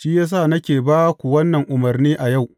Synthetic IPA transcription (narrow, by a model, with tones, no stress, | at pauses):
ʃiː˦jaː˦s̬aː˦˨nɐ˦kʲeː˨baː˦kʷu˨wɐ˦nːɐ˨ŋʔʊ˨mɐ˨rniː˦ʔa˨ja˦˨w